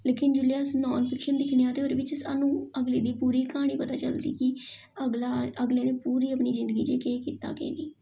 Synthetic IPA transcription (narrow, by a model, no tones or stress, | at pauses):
leːkɪnd͡ʒʊlijaːsnɔːnpʰɪkʃənd̪ɪkʰnejãːt̪eːɦoːɾeːʋɪt͡ʃəsa̰ːnũːəɡleːd̪iːpuːɾiːkaːɽ̃iːpət̪aːt͡ʃəld̪iːkɪ | əɡlaːəɡleːneːpuːɾiːəpɳiːzɪ̃nd̪əɡiːd͡ʒeːkeːkiːt̪a̰ːkḛːniː